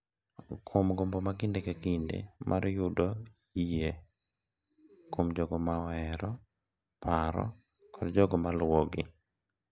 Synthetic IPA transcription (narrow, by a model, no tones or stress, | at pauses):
kʰomɡombɔmaɡɪndekakindḛmʔa̰ɾjʊdɔ | ije | komd͡ʒɔɡɔmawɛɾɔ | pʰaɾɔ̰ | kɔdd͡ʒɔɡɔmalwɔɡɪ